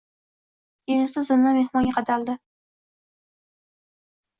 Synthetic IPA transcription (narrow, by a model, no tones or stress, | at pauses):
enɪsɪzɪnːamehmɒnʲqɑd̪ald̪ɪ